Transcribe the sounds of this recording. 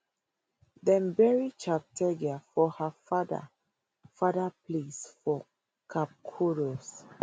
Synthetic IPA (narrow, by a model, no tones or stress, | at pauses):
dɛ̃mbɛɹit͡ʃap̚tʰɛɡiafɔhafada̰ | fadaplisfɔ | kʰap̚kʰoɾos